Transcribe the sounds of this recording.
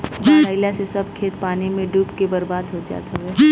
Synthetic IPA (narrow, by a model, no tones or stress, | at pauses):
bɐɾaːɪlasesɐb̚kʰeːt̪̚paːnimẽɖuːpkebɐɾbaːd̪ɦod͡ʒa̰ːt̪aɦɛː